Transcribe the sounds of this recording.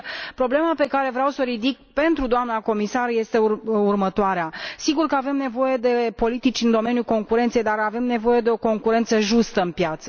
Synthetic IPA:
pɾo̞ble̞mape̞kaɾe̞vɾeawsəɾid̪ik̚pe̞nt̪ɾud̪oamnako̞misarje̞st̪e̞uurmət̪oaɾeasiɡurkəave̞mne̞vo̞je̞d̪e̞po̞lit̪it͡ʃʲɨnd̪o̞me̞njulko̞ŋkuɾe̞nt̪sejd̪arave̞mne̞vo̞je̞d̪e̞o̞ko̞ŋkuɾe̞nt̪səʒust̪əɨnpjat̪sə

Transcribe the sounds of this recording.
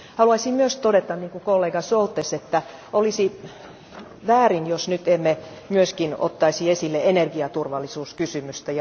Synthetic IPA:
hɑluɑisimmyøst̪odet̪ɑnniːŋkukolːeːɡɑsolt̪ːeset̪ːæ | olisi | ʋæːrinjosnyt̪emːe | myøskino̰t̪ːɑisiesilːeenerɡiɑt̪urʋɑlːisuːskysymyst̪æjɑ

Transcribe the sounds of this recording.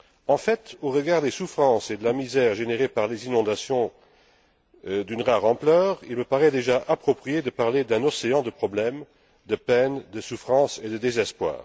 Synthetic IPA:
ɑ̃fɛt̪oʁəɡaʁd̪esufχɑ̃sed̪əlamizɛʁʒeneʁepaʁlezinɔ̃d̪asjɔ̃ | d̪ynʁaʁɑ̃plœːʁilməpaʁɛd̪eʒaʔapχɔpχijed̪əpaʁled̪ɛ̃nɔseɑ̃d̪əpχɔblɛm | d̪əpɛnd̪əsufχɑ̃sed̪əd̪ezɛspwa̰ːʁ

